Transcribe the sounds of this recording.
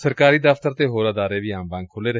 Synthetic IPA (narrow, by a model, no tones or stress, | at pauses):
səɾkaːɾiːd̪əft̪əɾt̪eːɦoːɾəd̪aːɾeːʋiːãːmbãːŋkʰoːleːɾəɦ